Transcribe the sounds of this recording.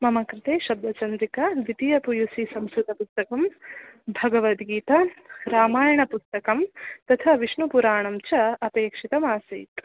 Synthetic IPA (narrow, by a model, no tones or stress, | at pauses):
mɐmɐkɾɪt̪eːʃɐb̚d̪ʱɐt͡ʃɐnd̪ɾikɐʋit̪ijɐpujusisɐmsɾut̪ɐpust̪ɐkɐmbʱɐɡɐʋɐt̪ɡiːt̪ɐɾaːmaːjɐɳɐpust̪ɐkɐmt̪ɐt̪ʰɐʋiʃɳupuɾaːɳɐmt͡ʃɐɐpeːkʂit̪ɐmaːsḭːt̪